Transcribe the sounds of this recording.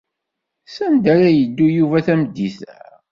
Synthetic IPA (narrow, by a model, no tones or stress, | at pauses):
sænd̪æɾæjəd̪ːujuvæθæmd̪ːiθæ̰